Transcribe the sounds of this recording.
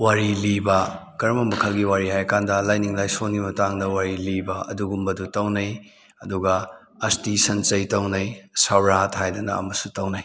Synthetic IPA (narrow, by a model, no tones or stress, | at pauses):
waɾilibɐ | kɐɾɐmɐmɐkʰɐlɡiwaɾiɦajɐkʰandɐlajniŋlajsonimɐtaŋdɐwaɾilibɐɐ̰duɡumbɐdutɐwnɐj | ɐduɡɐ | ɐstisɐnt͡ʃɐjtɐwnɐjsawɾathajdɐnɐ̰ɐ̰mɐsutɐwnɐj